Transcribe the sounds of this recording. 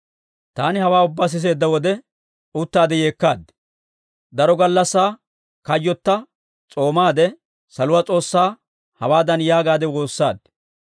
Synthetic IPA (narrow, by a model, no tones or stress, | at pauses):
t̪aːnɪhɐwaːʊbːaːs̬ɪs̬e̞ːd̪ːɐwɔd̪ɛ | ʊt̪ːaːd̪ɛje̞ːkːaːd̪ | d̪ɐɾɔɡɐlːɐsːaː | kɐjːɔt̪ːɐ | t͡sʼo̞ːmaːd̪ɛ | sɐlʊwat͡sʼo̞ːsːaː | hɐwaːd̪ɐnjaːɡaːd̪ɛwo̞ːsːa̰ːd̪